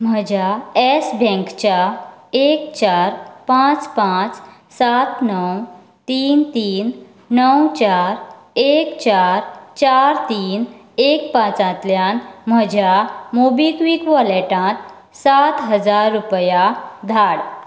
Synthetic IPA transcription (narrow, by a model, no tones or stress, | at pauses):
m̤əd͡ʑʱjaesbʱɛ̃ŋkt͡ɕaekt͡ɕaɾpãt͡spãt͡s | sat̪nəw | t̪iːnt̪iːn | nəwt͡ɕaɾ | ekt͡ɕaɾt͡ɕaɾt̪iːn | ekpãt͡sãt̪ljanm̤əd͡ʑjamobikʋikʋəleʈãt̪ | sat̪ɦəd͡zaɾːupjad̪ʱaɽ